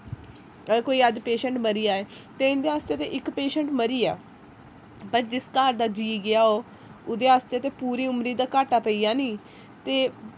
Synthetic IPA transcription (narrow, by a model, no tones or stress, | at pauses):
əkoːiːəd͡ʒpeːʃə̃ɳʈməɾijaːɛːt̪eːɪnd̪eːɦaːst̪eːt̪eːʔɪkpeːʃəɳʈməɾiːa̰ː | pəɾd͡ʒɪskaːɾd̪aːd͡ʒiːɡɪaːoː | ʊd̪eːɦaːst̪eːt̪eːpuːɾiːʊmɾiːd̪aːkaːʈaːpəiːaːnĩː | t̪eː